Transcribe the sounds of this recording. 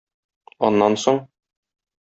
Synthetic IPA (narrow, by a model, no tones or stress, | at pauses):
ɒnːɑnsoɴ